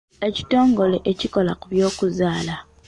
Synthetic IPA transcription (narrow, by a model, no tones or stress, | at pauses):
e̞ci̥to̞ːŋɡo̞le̞ʔeciko̞lakuβjo̞ːkuzaːla